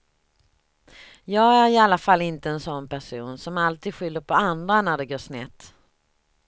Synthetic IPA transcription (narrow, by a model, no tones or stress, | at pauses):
jɑːɡæɾɪalːafalːɪnt̪əɛnsɔnːpæʂuːnsɔmalt̪ʰiːd̪ɧʏlːəɾpʰɔand̪ɾanæɖɛɡoːʂnɛt̪ː